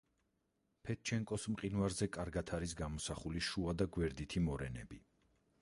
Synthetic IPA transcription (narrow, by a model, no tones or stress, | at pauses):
pʰɛt̪̚t͡ʃʰɛŋkʼɔsmqʼinvaɾzɛkʼaɾɡat̪ʰaɾisɡamɔsaχuliʃuad̪aɡwɛɾd̪it̪ʰimɔɾɛnɛbi